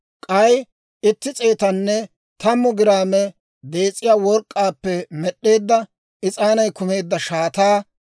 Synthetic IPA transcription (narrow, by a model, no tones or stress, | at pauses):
kʼɐj | ɪt̪ːɪt͡sʼe̞ːt̪ɐnːɛ | t̪ɐmːʊɡɪɾaːmɛ | d̪e̞ːt͡sʼːɪjaːwɔɾkʼːaːpːɛmɛɗːe̞ːd̪ːɐ | ɪt͡sʼaːnɐjkʊme̞ːd̪ːɐʃaːt̪aː